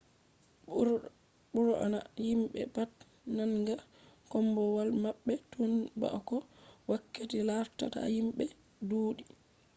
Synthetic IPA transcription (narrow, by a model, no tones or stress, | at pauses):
ɓuɾɔʔa̰najimɓɛ̰pat | nanɡa | kɔmbɔwalmaɓːɛtʰunba̰ʔkɔwakːetilaɾta̰ta̰himɓɛ | doːɗi